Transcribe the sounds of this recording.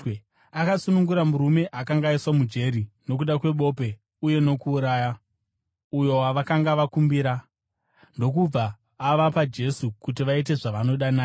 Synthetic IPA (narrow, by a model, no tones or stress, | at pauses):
akasunuŋɡuɾamuɾume̞ʔakaŋɡaiswamud͡ʒe̞ɾino̞k̬uɗakwe̞ɓo̞ːpe̞ | uje̞no̞kuːɾaːja | ujo̞waʋakaŋɡaʋakumbiɾa | ndo̞k̬ub͡vaː | ʋapad͡ʒe̞sukut̬iʋait̬e̞ʐaʋano̞ɗanaː